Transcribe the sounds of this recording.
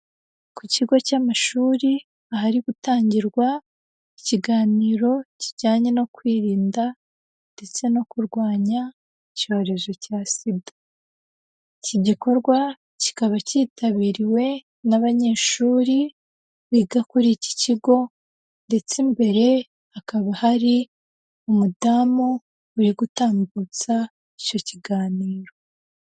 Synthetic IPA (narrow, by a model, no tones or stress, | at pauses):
kuciɡo̞camaʃuːɾi | aɦaɾiɡ̥utaːɲɟiɾɡwa | iciɡaːniːɾo̞ciɟaːɲe̞no̞kwiːɾiːnda | nde̞t͡se̞no̞kuɾɡwaːɲa | ico̞ːɾe̞zo̞casidḁ | ciɟiko̞ɾɡwa | ci̥kaβaciːtaβiːɾiwe̞ | naβaɲe̞ːʃuːɾi | βiɡakuɾici̥ciɡo̞ | nde̞t͡sembe̞ɾe̞ | hakaβahaɾi | umudaːmuː | ɾiɡutaːmbut͡sa | ico̞ciɡaːniːɾo̞